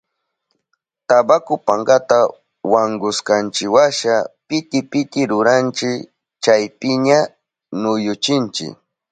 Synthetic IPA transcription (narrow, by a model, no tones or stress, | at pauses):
t̪abakʊpaɴɡat̪a | waŋɡʊskant͡ʃɪwaʃapɪt̪ɪpɪt̪ɪɾʊɾant͡ʃɪk | t͡ʃajpɪɲa | nʊjʊt͡ʃɪnt͡ʃɪ̰k